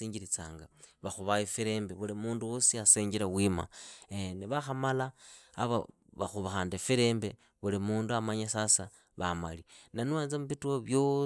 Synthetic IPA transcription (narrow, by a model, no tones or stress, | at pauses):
iːɲɟiɾit͡sa̰ːŋɡaβaxuβaefiɾeːmbeβulimuːnduwosiaseːɲɟiɾawima̰eneβaxamalaːβa̰βa̰xuβaxaːndefiɾe̞ːmbe̞ | βulimuːnduamaɲasasa | βama̰linanwaːnzamuβitwoβjo